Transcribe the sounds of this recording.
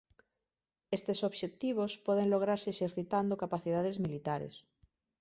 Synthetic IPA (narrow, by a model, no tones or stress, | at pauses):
est̪esoβʃet̪iβ̞ospɔð̞eŋloɣ̞ɾaɾseeʃeɾθit̪and̪okapaθiðaðezmilit̪aɾḛs